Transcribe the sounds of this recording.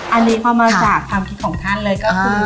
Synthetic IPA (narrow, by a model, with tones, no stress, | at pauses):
ʔa˧nːiː˦˥pʰɔː˧maː˧t͡ɕaː˨˩kʰwaː˧mkʰi˦˥t̪̚kʰɔː˩˦ŋt̪ʰa˥˩nlɤː˧jkɔː˥˩u˧